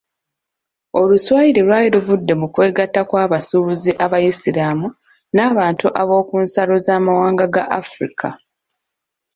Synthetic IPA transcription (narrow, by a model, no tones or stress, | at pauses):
o̞luswaːjiɾelwaːjiɾuvudːe̞mukwe̞ːɡatːakwaːβasuːβuziʔaβajisiɾaːmu | naːβaːntuʔaβo̞ːkuːnsalo̞zaːmawaːŋɡaɡaʔafɾikʰa